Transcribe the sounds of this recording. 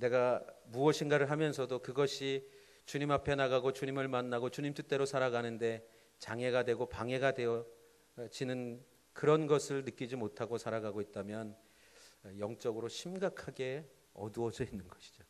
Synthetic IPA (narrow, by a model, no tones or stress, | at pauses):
ne̞ɡamuʌɕʰinɡaɾɯɭɦamjʌns̬ʰʌdokɯɡʌɕʰi | t͡ɕuɲimapʰe̞naɡaɡot͡ɕuɲimɯɭmanːaɡot͡ɕuɲimtʰut͈e̞ɾosʰaɾaɡanɯnde̞ | t͡ɕaŋe̞ɡadwe̞ɡopaŋe̞ɡadwe̞jʌ | t͡ɕinɯn | kɯɾʌnɡʌsʰɯɭnɯk͈id͡ʑimotʰaɡosʰaɾaɡaɡoit̚t͈amjʌn | jʌŋt͡ɕ͈ʌɡɯɾoɕʰimɡakʰaɡe̞ | ʌ̰duʌd͡ʑʌinːɯnɡʌɕʰi̥d͡ʑo